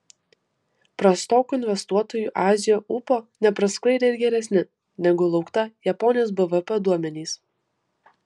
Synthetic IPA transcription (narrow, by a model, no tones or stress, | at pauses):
pɾɐst̪oːkuɪnʲʋʲɛst̪uɔt̪oːjuːʔɑːzʲɪjoːʔʊpoːnʲɛpɾɐsklˠɐɪd̪ʲeɪɾɡʲɛɾʲɛsʲnʲɪ | nʲɛɡʊlˠɒʊkt̪ɐjɛpɔnʲɪjoːs̬bɛʋəpɛd̪uɔmʲɛnʲiːs